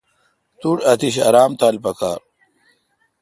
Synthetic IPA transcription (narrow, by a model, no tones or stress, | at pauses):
t̪uɽɐt̪ʰiɕɐ̰ɾaːmt̪aːlpɐka̰ːɾ